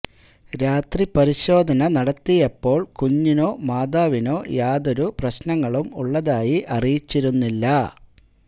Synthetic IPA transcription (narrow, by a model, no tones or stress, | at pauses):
ɾaːt̪ripɐɾiɕo̞ːd̪ʱɐnɐnɐɽɐt̪ːijɐpːo̞ːɭkuɲːino̞ːmaːd̪aːʋino̞ːjaːðo̞ɾuprɐɕnɐŋːɐɭumṵɭːɐðaːjiʔɐrijit͡ɕːiɾunːilːɐ